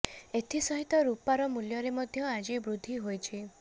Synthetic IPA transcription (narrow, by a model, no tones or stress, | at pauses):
et̪ʰisɔɦit̪ɔɾupaɾɔmuljɔɾemɔd̪ʱjɔad͡ʒibɾud̪ʱːiɦojt͡ʃʰi